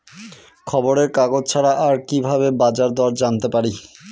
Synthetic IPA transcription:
kʰɔboɾeɾkaɡod͡ʑt͡ɕʰaɾaʔaɾkibʱaβebad͡ʑaɾd̪ɔɾd͡ʑant̪epaɾi

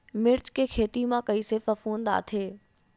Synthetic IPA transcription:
mɪɾt͡ɕkʰeːkʰeːt̪imãkɐisɪfɐfuːnd̪a̰ːt̪ʰeː

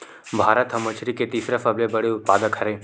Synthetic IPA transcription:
bʱaːɾət̪ɦɐmət͡ʃʰɾiket̪iːsɾafɐblebɐɽeʊt̪̚paːd̪əkʰɐɾe

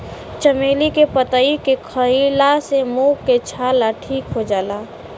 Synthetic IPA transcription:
t͡ʃəmeːlikepət̪əikekʰəilasemukːet͡ʃʰaːlaʈʰiːkɦod͡ʒaːlaː

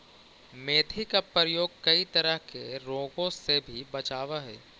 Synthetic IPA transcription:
meːt̪ʰikapəɾəjoːɡ̚kɐit̪ɐɾəɦkeɾoːɡõsebʱibɐt͡ʃaːʋaɦɛ̰ː

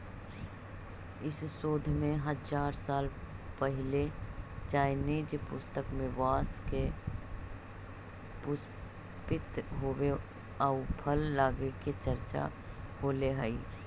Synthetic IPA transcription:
ɪssoːd̪ʱmẽɦəd͡ʒaːɾsaːl | pəɦɪlet͡ʃaːɪneːd͡ʒpʊst̪əkmẽʋaːske | pʊs | pɪt̪ɦoːwe | əʊpʰəlːaːɡeket͡ʃəɾt͡ʃa̰ | koːleɦɛi

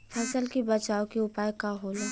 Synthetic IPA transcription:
fʰɛːsəlkibɐt͡ʃaːokiʊpaːjkaɦoːleː

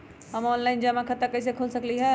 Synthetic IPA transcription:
ɦəmɔːnlaɪnd͡ʑɐmãkʰɐt̪əkɐis̬ekʰolsɐkliɦɛ

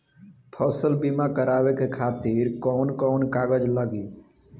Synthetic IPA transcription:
pʰɔsəlbimakəɾaːʋekekʰaːt̪iɾkɔːnkɔːnkaːɡəd͡ʒləɡiː

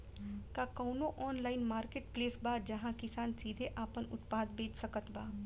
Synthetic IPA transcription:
kaːkoːnõʔɔːnlaːɪnmaːɾkeːʈpleːsbaːd͡ʒəɦãkɪsaːnsiːd̪ʱeʔaːpənʊ̰t̪paːd̪beːd͡ʒsəkət̪baː

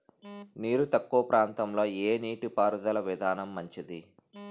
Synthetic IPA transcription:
niːɾut̪ɐkːuʋɐpɾʔaːnt̪ɐmlo̞ːeːniːʈipaːɾud̪ɐlɐʋid̪ʱaːnɐmːɐɲt͡ʃid̪i

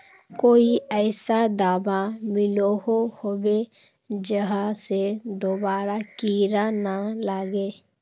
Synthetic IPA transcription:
koːiəːɪsad̪aːbamɪloɦohobe | d͡ʒəɦased̪oːbaːɾakiːɾanalaːɡeː

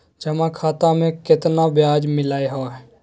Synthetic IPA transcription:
d͡ʒɐmãkʰaːt̪ãmẽkɪt̪nabjaːd͡ʒmɪlaːeɦoɦɛ

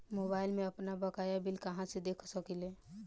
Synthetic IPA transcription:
mobaːɪlmẽəpnabəkajabilkəɦãsed̪ekʰsəkile

